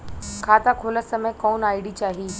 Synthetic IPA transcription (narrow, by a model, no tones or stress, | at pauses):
kʰaːt̪akʰoːləsəmẽkɔːnaːiɽit͡ɕaːɦiː